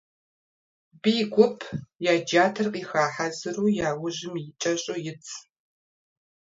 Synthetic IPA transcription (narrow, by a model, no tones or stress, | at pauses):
biːɡʷʊpʰjaːd͡ʒaːtʰɨrqʼiːxaːħazɨruːjaːwʊʑɪmjɪt͡ʃʼɐɕʼojɪt͡sʰʼ